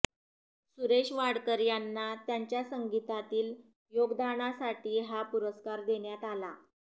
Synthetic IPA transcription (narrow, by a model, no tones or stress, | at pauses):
suɾeɕʋaɽkəɾjanːat̪jaɲt͡ɕjasəŋɡit̪at̪iːl | joɡd̪aɳ̃asaʈiːɦapuɾəskaɾd̪eɳjat̪ala̰